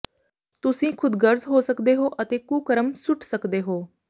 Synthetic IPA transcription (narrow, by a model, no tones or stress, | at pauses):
t̪ʊsĩːkʰʊd̪ɡəɾzɦoːsəkd̪eːɦoːʔət̪eːkuːkəɾəmsʊʈsəkd̪eːɦoː